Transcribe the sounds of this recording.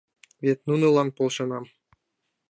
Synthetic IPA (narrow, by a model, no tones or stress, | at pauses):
vʲet̪nunɨlˠɑnt̪̚polˠʃanɑm